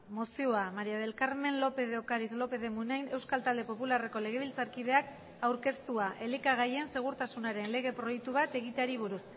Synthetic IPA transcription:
mosioamaɾiaðe̞lkaɾme̞nlo̞pe̞ð̞eokaɾizlo̞pe̞ðe̞munajne̞wskalt̪ald̪e̞po̞pulare̞ko̞le̞ɣe̞βilt͡saɾkið̞e̞ak | awɾke̞st̪uaʔe̞likaɣ̞aje̞nse̞ɣ̞uɾt̪asunaɾe̞nle̞ɣ̞e̞pɾojek̚t̪uβat̪e̞ɣit̪eaɾiβ̞uɾus

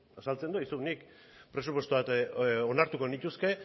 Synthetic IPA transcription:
asalt͡se̞nd̪uisunik | pɾe̞supwo̞st̪uβat̪onaɾt̪uko̞nit̪uske̞

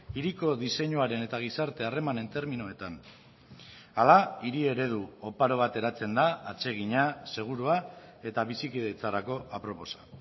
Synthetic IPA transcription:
iɾiko̞ðise̞ɲuaɾe̞ne̞t̪aɣ̞isaɾt̪e̞are̞mane̞nt̪eɾminoet̪an | alaiɾie̞ɾe̞ð̞uopaɾo̞β̞at̪e̞ɾat͡se̞nd̪aːt͡se̞ɣ̞iɲase̞ɣ̞uɾuae̞t̪aβisikiðet͡saɾako̞apɾo̞po̞sḁ

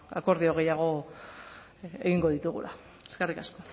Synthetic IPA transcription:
a̰ko̞ɾðioɣ̞e̞jaɣ̞o̞ | eɣiŋɡo̞ðit̪uɣṵlʔa | skerikasko̞

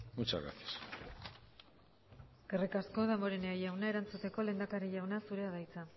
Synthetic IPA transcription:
mut͡ʃaɣa̰t̪i̥s | ɡ̥erikasko̞ðamoɾeneajawnae̞ɾant͡sut̪e̞ko̞le̞ːnd̪akaɾijawnasuɾe̞aðajt͡sa

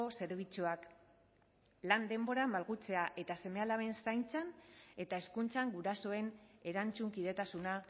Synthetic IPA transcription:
ose̞ɾβ̞it͡suak | land̪e̞mbo̞ɾambalɣut͡se̞aʔe̞t̪ase̞me̞alaβe̞nsajnt͡sane̞t̪ae̞skunt͡saŋɡuɾaso̞e̞ne̞ɾant͡suŋkið̞e̞t̪asuna

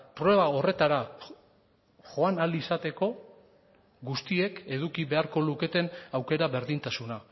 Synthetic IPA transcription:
pɾowe̞β̞ao̞re̞t̪aɾa | ʝo̞analisat̪e̞ko̞ | ɡust̪ie̞ke̞ðukiβe̞aɾko̞luke̞t̪e̞nawke̞ɾaβe̞ɾðint̪asuna

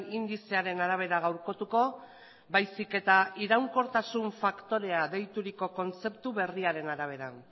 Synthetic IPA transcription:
ind̪ise̞aɾe̞naɾaβ̞e̞ɾaɣ̞awɾko̞t̪uko̞ | bajsike̞t̪aiɾawŋko̞ɾt̪asuɱfakt̪o̞ɾe̞aðe̞jt̪uɾiko̞ko̞nt͡se̞p̚t̪uβe̞riaɾe̞naɾaβ̞e̞ɾan

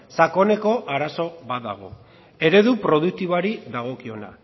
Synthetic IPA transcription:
sako̞ne̞ko̞ʔaɾaso̞βaða̰ɣ̞o̞̰ | e̞ɾe̞ðupɾo̞ð̞uk̚t̪iβaɾiðaɣ̞o̞kio̞na̰

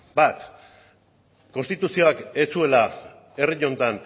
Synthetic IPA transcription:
bat̪ | ko̞nst̪it̪usio̞ake̞t͡sue̞la | e̞riɲo̞nt̪an

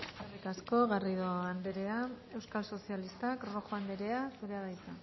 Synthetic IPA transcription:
earikasko̞ɣariðoand̪e̞ɾe̞a | e̞wskalso̞sialist̪akro̞xoand̪e̞ɾe̞asuɾe̞aðajt̪a

